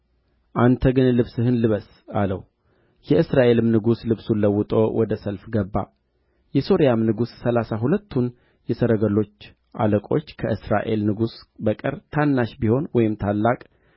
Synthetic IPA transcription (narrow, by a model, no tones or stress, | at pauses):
ʔant̪ʰəɡɨnlɨβsɨɦɨnlɨβəs | alə̰w | jɛɨsɾaʔe̞lɨmnɨɡuslɨβsunləwːʊt̪ʼo̞̰wʔɔd̪əsəlfɡəbːa̰ | jɛso̞ɾijamnɨɡusːəlasaɦulət̪ʰːun | jɛsəɾəɡəlo̞t͡ʃː | ʔa̰ləkʼo̞̰t͡ʃːkʰəʔɨsɾa̰ʔe̞lnɨɡusbəkʼɨɾt̪ʰanːaʃbiho̞nwɔjɪmt̪ʰalːakʼ